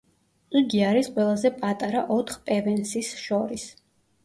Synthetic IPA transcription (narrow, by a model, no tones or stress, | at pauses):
uɡiaɾisqʼwɛlˠazɛpʼat̪ʼaɾaʔɔt̪ʰχpʼɛvɛnsisʃɔɾis